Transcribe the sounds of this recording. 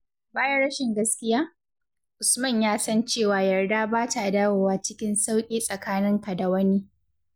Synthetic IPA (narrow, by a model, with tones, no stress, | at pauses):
baː˦jɐ˦ɽɐ˦ʃɪ˨ŋɡɐ˦skʲɪ˦jaː˦ | ʔʊ˨smɐ˦˨ɲjaː˦sɐ˦nt͡ʃeː˦˨waː˨jɐ˨rdaː˦baː˦ta˨ʔdaː˦woː˨waː˦t͡ʃɪ˦kʲɪ˦nsa˦wkʲʼiː˦sʼɐ˨kaː˦nɪ˦ŋka˨da˨wɐ˦niː˦